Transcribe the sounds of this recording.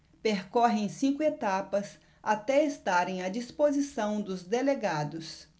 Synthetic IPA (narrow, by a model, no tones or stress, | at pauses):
peɾkɔɦẽj̃sĩkʊet̪apɐs | at̪ɛest̪aɾẽj̃ɐd͡ʒispozisɐ̃w̃d̪ʊzd̪eleɡad̪ʊs